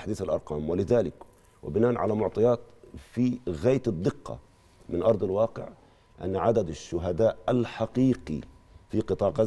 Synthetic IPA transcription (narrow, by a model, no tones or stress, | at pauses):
ħd̪iːθalʔɑ̰ɾˤqɑːmwalɪðaːlɪk | wɪ̰bɪnaːʔnʕa̰lamʊʕt̪ˤɑjaːt̪fiɣaːt̪ɨd̪ˤːɪqːɑ̰ | mɪnʔɑɾˤd̪ˤɪlwɑːqɪ̰ʕ | ʔa̰nːʕad̪ad̪aʃːʊɦad̪aːʔalħaqiːqḭfiqɨt̪ˤɑːʕqa